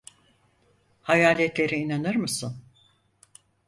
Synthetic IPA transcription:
hajaːlʲɛt̪lʲe̞ɾiinanɯɾmɯsɯn

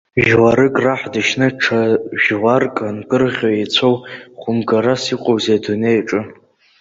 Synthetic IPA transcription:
ʒwaɾɨkʼraħdɨʃnɨʈ͡ʂʰaʒʁarkʼanɡʼɨrʁʲoit͡sʷʰowχʷʊmɡaɾasiqʷʼowzedunejʈ͡ʂʼɨ

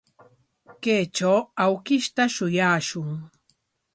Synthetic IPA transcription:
keːt͡ʃawawkɪʃt̪aʃʊjaːʃʊŋ

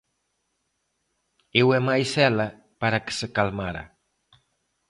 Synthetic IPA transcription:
ewemajsɛla | paɾakə̥səkalmaɾa̰

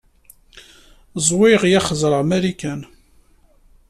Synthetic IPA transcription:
zˤwɪʁjæχəzˤɾˤəʁmæɾikæn

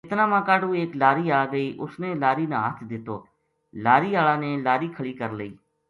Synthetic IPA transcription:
ɪt̪naːmãːkaːɖuːeːklaːɾiːaːɡəiːʔʊsneːlaːɾiːnaːɦət̪ʰd̪ɪt̪o̰ː | laːɾiːaːɭãːnẽːlaːɾiːkʰəɭiːkəɾləḭː

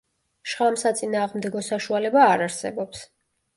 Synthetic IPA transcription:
ʃʁamsat̪sʼinaːʁmd̪ɛɡɔsaʃualɛbaːɾaɾsɛ̰bɔps

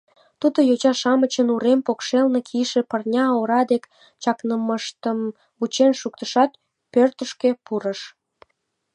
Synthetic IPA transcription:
t̪ud̪ojot͡ɕɑʃɑmət͡ɕənuɾempokʃelnekʰiʃĕpərnʲɑoɾɑd̪ek | t͡ɕɑknəməʃt̪əm | ut͡ɕenʃukt̪əʃɑt̪̚ | pørt̪əʃkepuɾəʃ

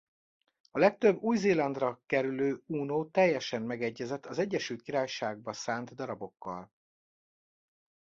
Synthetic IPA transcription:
ɒlɛk̚t̪ø̞bːuːjzeːlɒnd̪rɒkɛɾyløːuːnoːt̪ɛjːɛʃɛmmɛɡɛɟːɛzɛt̪ʰːɒzɛɟːɛʃylt̪kiɾaːjʃaːɡ̚bɒsaːnd̪d̪ɒɾɒbo̞kːɒ̰l

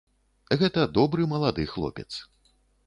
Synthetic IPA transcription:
ɣɛt̪ɐd̪ɔbɾɨmɐlˠad̪ɨxlˠɔ̰pʲɛ̰t̪s

